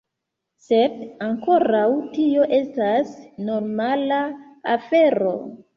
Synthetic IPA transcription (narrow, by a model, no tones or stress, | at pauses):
sedaŋko̞ɾawtio̞ʔe̞stasno̞ɾmala | afe̞ɾo̞̰